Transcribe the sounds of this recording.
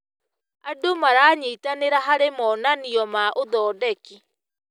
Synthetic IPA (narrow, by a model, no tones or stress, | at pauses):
adomaɾaːɲiːtaneɾaɦaɾemɔːnaniɔmaʔoðɔːdɛki